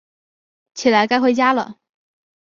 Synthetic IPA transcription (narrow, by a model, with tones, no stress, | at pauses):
t͡ɕʰi˨˩la˧˥ɪka˥ɪxwe˥˩ɪt͡ɕja˥lə̰˨